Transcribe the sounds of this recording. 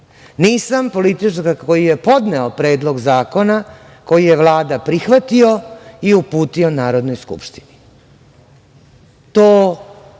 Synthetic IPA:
niːsampo̞lit̪iʈ͡ʂaɾkakʰo̞jijepo̞d̪neopɾe̞ːd̪lˠo̞ɡzaːko̞na | ko̞jijeʋlˠaːd̪apɾixʋat̪io̞iupuːt̪io̞naːɾo̞d̪nojskṵpʃt̪i̥ni | t̪oː

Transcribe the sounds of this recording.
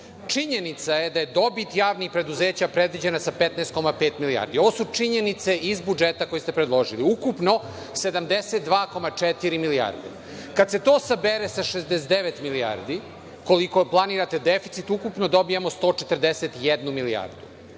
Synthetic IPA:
t͡ʂiɲenit̪sajed̪aje̞d̪o̞bit̪jaːʋnixpɾe̞d̪uzeːt͡ɕapɾed̪ʋid͡ʑenasapet̪neːst̪ko̞mapeːt̪milia̰ɾd̪io̞ʋosut͡ʂiɲenit̪se̞ʔizbud͡ʒet̪ako̞jist̪epɾed̪lˠo̞ʒiliukupno̞ | se̞d̪amd̪eset̪̚d̪ʋaːko̞mat͡ʂɛt̪iɾimilia̰ɾd̪e | kad̪se̞t̪o̞ːsabeɾesaʃezd̪esd̪eʋet̪milia̰ɾd̪i | ko̞liko̞plˠaniːɾat̪e̞d̪efit̪sit̪ukupnod̪o̞bijemost̪o̞ːt͡ʂet̪r̩d̪eset̪jed̪numilia̰ɾd̪u

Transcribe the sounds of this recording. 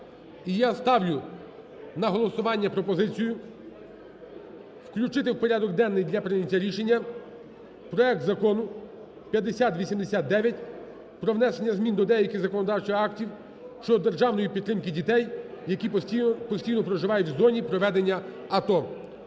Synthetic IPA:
ijast̪ɑwlʲʊ | nɐɦɔlˠɔsʊʋɑnʲːɐpɾɔpɔzɪt͡sʲijʊ | wklʲʊt͡ʃɪt̪ɪwpɔɾʲad̪ɔɡd̪ɛnːɪjd̪ʲlʲɐpɾɪnʲɐtʲːɐɾʲiʃenʲːɐ | pɾɔɛk̚t̪zɐkɔnʊ | pʲjɐd̪ːesʲat̪ʋʲisʲimd̪esʲat̪̚d̪ɛʋʲjɐt̚ʲ | pɾɔʋnɛsenʲːɐzmʲind̪ɔd̪ɛjɐkɪzɐkɔnɔd̪ɑwt͡ʃɪɑktʲiw | ʃt͡ʃɔd̪ɔd̪erʒɑwnɔjipʲid̪t̪ːɾɪmkɪdʲit̪ɛjjɐkʲipɔsʲtʲijnɔpɾɔʒɪʋɑjʊtʲwzɔnʲipɾɔʋɛd̪enʲːɐ | ɐt̪ɔ

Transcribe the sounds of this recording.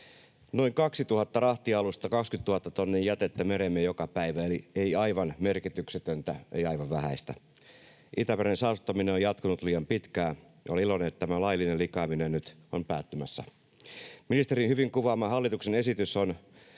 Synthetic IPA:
noiŋkɑksit̪uhɑt̪ːɑrɑht̪iɑlust̪ɑkɑkskyt̪tuhɑt̪ːɑt̪onːejjæt̪et̪ːæmeɾemːejokɑpæiʋæelieiɑiʋɑnmerkit̪ykset̪ønt̪æḛiɑiʋɑʋʋæhæist̪æ̰ | ʔit̪æperensɑːsut̪ːɑmineojɑt̪kunut̪liːjɑmpit̪kæː | oliloneet̪t̪æmælɑilːinelikɑːminennyt̪ompæːt̪ːymæsːæ̰ | minist̪eɾinhyʋiŋkuʋɑːmːɑhɑlːit̪uksenesit̪yson

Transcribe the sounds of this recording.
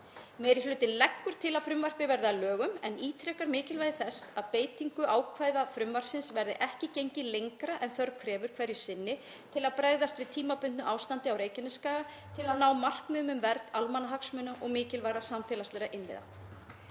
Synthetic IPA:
mɛːɾiflʏːt̪ɪnlɛkːʏɾ̥t̪ʰɪlaðfɾʏmvar̥pɪvɛɾðɪalœːɣʏmɛniːt̪ʰɾɛkaɾmɪːcɪlvajðɪθɛsːaðpeːjt̪iŋkʏʔaːwkʰvaːjðafɾʏmvar̥sɪnsvɛɾðɪ̰ʔɛhcɪcejɲcɪlejŋkɾaʔɛnθœɾkʰɾɛːvʏɾ̥kʰvɛɾjʏ̥sɪnːɪ | t̪ʰɪlaðpɾaːjðast̪vɪðt̪ʰiːmapʏnt̪nʏʔawst̪ant̪ɪawɾeːjcɛnʏskaːɣa | t̪ʰɪlaðnaːwmar̥kmʏːmʏmvɛɾt̪almanaɦaksmʏːnaʔɔɣmɪːcɪlvaːjɾasamfɛːlast̪ɛːɾaʔɪnvɪ̰ða̰

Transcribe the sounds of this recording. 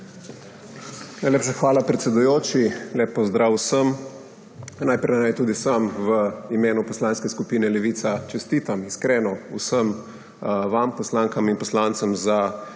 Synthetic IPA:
naːjleːpʃaxʋaːlapɾɛt̪sɛd̪ujoːt͡ʃileːpːɔzd̪ɾaːwsəm | najpɾɛnajt̪uːd̪isamʋəimeːnupɔslaːnskɛskupiːnɛlɛʋiːt̪sat͡ʃɛst̪iːt̪amiskɾɛːnɔusəm | ʋampɔslaːŋkaminpɔslant̪səmza

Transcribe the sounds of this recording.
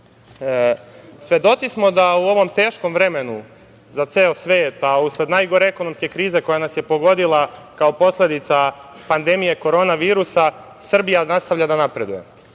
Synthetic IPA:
sʋʲje̞d̪o̞t̪sismo̞d̪auo̞ʋo̞mt̪e̞ːʃko̞mvɾe̞menu | zat̪seːosʋeːt̪ausle̞d̪najɡo̞ɾeeko̞no̞mske̞kɾiːze̞ko̞janasje̞po̞ɡo̞d̪ilˠakao̞po̞sle̞d̪it̪sapand̪e̞mije̞ko̞ɾo̞ːnaʋiːɾusa | sr̩bijanast̪aʋʎad̪anapɾe̞d̪uje̞̰

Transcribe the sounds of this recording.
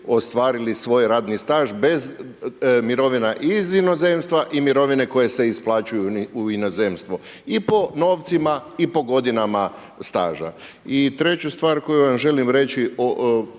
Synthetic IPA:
o̞st̪ʋaːɾilisʋo̞jɾaːd̪nist̪aːʒbe̞z | miɾo̞ʋinaʔizino̞ze̞mst̪ʋaʔimiɾo̞ʋine̞ko̞je̞se̞isplˠaːt͡ɕujuːinozemst̪ʋo | ipo̞no̞ːʋt̪simaipo̞ɡo̞d̪inama | st̪a̰ːʒa̰ | it̪ɾe̞t͡ɕust̪ʋaːɾko̞juʋamʒe̞limɾe̞t͡ɕio

